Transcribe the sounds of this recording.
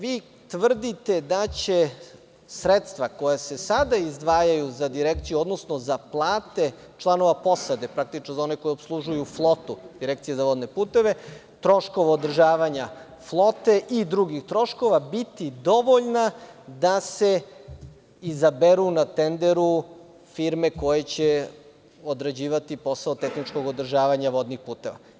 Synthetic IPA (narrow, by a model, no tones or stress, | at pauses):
ʋiː | t̪ʋr̩d̪it̪e̞d̪at͡ɕe | sɾet̪st̪vʋako̞jase̞sad̪aizd̪ʋaːjajuzad̪iɾekt̪sijuo̞d̪no̞snozaplˠaːt̪e̞ | t͡ʃlˠano̞ʋapo̞sad̪e̞pɾak̚t̪it͡ʃnozao̞neko̞jiobslˠuʒujuflˠo̞t̪ud̪̥iɾekt̪sijezaʋod̪ne̞puːt̪e̞ʋe̞ | t̪ɾo̞ʃko̞ʋaod̪r̩ʒaːʋaɲa | flˠo̞t̪eʔid̪ɾuɡixt̪ɾo̞ʃkoʋabit̪id̪o̞ʋoʎnad̪ase̞ | izabeɾunat̪end̪eɾu | fiɾmeko̞jet͡ɕe | od̪ɾed͡ʑiːʋat̪ipo̞saot̪exnit͡ʃko̞ɡod̪r̩ʒaːʋaɲaʋo̞d̪nixpuːt̪e̞ʋa̰